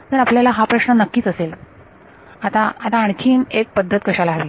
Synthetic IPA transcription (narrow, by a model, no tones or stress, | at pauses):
t̪əɾapljalaɦapɾəɕnənəkːiːt͡səsel | at̪ãat̪ãːɳ̃t͡ɕʰiːnek̚pəd̪ʱːət̪̚kəɕalaɦʋi